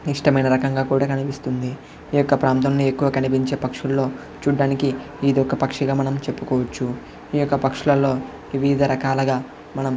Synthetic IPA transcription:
iʂʈɐmɐjnɐɾɐkɐŋɡaːkuːɽaːkɐnipist̪und̪iː | jɔkːɐpɾaːnt̪ɐmnie̞kːuʋɐkɐnip̬iɲt͡ʃe̞ːpɐkʂulːo̞ː | t͡ʃuːɖːaːniki | iːd̪ɔkːɐpɐkʂɐɡaːmɐnɐmt͡ʃe̞pːukɔːʋɐt͡ʃːu | iːjɔkːɐpɐkʂulɐlo̞ː | ʋiʋid̪ɐɾɐkaːlɐɡaː | mɐnɐm

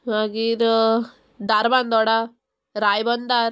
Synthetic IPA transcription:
aɡiɾ | d̪aɾband̪ɔɽa | ɾajbɔnd̪aɾ

